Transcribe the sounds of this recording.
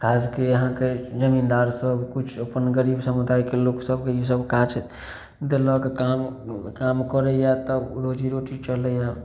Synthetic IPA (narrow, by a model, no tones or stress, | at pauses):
kʰad͡ʒkeəɦãked͡ʒəmind̪aɾsəbkut͡ʃʰəpənɡəɾibsəmud̪aikeloksəbkeisəbkat͡ʃʰ | d̪elɔkekamkamkəɾɛjat̪əbɾod͡ʒiɾoʈit͡ʃəlɛja